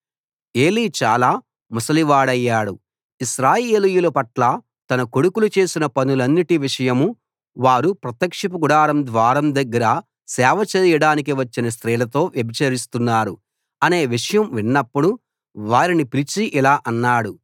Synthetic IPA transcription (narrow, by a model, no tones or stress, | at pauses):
e̞ːliːt͡ʃaːlaː | musɐliʋaːɽɐjːaːɽu | iʃɾaːje̞ːlijulɐpɐʈlɐ | t̪ɐnɐko̞ɽukulut͡ʃe̞ːsinɐpɐnulɐnːiʈiʋiʂɐjɐmu | ʋaːɾupɾɐt̪jɐkʂip̬uɡuɽaːɾɐmd̪ʋaːɾɐmd̪ɐɡːɐɾɐ | sɛːʋɐt͡ʃɐːjɐɽaːnik̬iʋɐt͡ʃːinɐst̪ɾiːlɐt̪o̞ːʋjebit͡ʃɐɾist̪unːaːɾu | ɐne̞ːʋiʂɐjɐmʋinːɐpːuɽu | ʋaːɾinipiɾit͡ʃiʔilaːʔɐnːaːɽu